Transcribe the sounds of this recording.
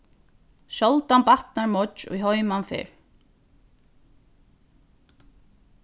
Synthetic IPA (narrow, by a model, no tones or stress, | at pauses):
sɔlt̪anpaht̪naɾmɔt͡ʃɔ̰jɦɔjmanfɪ̰ːɾ̥